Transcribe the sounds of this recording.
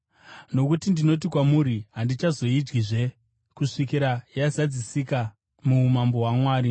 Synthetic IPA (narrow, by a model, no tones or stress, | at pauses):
no̞kutindino̞t̬ikwamuɾiɦandit͡ʃazo̞id͡ʒɡiʐe̞ | kuʂikiɾajazad͡zisika | mumambo̞ɦwamwaːɾi